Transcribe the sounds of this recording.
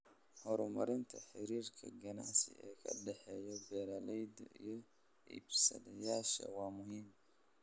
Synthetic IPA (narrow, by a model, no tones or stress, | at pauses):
hɔɾʊmɐɾɪnt̪ʰɐħɪɾiːrkʰɐɡɐnaʕsɪ̰ɛːkʰɐɖɛħɛːjɔbɛːɾalɛjd̪ɐʔijɔ | ḭbsɐ̰d̪ɐjaːʃɐ̰wɑːmʊɦiːm